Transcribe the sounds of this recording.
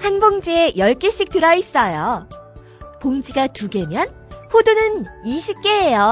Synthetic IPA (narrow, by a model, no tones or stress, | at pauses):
hanboŋd͡ʑiejʌɭk͈eɕ͈ik̚tɯɾʌis͈ʌjo | poŋd͡ʑiɡatuɡe̞mjʌn | ɸodunɯniɕʰip̚k͈e̞ɦejo